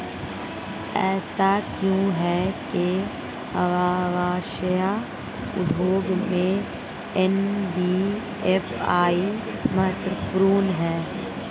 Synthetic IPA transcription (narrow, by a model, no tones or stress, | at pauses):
ɛ̰ːsakjũɦɛke | ɐʋaːʋaːʃəja | ʊ̰d̪ʱoːɡmẽ | enbiː | efʰaːimɐt̪ɾəpɾuːnɦɛː